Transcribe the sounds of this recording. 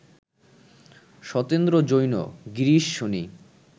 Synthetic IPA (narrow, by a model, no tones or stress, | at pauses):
ʃɔt̪end̪ɾod͡ʑojno̰ɡiɾiʃːoni